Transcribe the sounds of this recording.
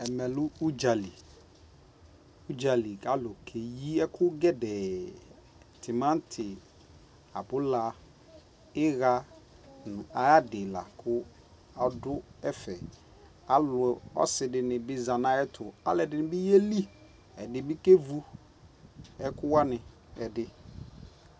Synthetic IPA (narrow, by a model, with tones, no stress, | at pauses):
ɛ˨mɛ˨lʊ˦u˦d͡ʒa˨li˨ | u˦d͡ʒa˨li˨a˦lo˨kʰe˨ji˦ɛ˦kʰʊ˦ɡɛ˦dɛ˨ | tʰɪ˨mã˦n˦tʰɪ˨ | a̰˨bʊ˦la˨ | ɪ˦ɣa˦ | nʊ̃˨a˨ja˦dɪ˨la̰˨kʰʊ˦ | a˨dʊ˦ɛ˦fɛ˨ | a˦lʊ˨ɛ˨ɔ̰˦sɪ˨dɪ˨nɪ̃˨bɪ˦za˨nã˦ɛ˦tʰʊ˨a̰˦lɛ˨dɪ˨nɪ˦bɪ˦je˦li˦ | ɛ˨dɪ˨bɪ˦ke˦vu˦ | ɛ˦kʊ˦wa˦nɪ̃˨ | ɛ˨dɪ˦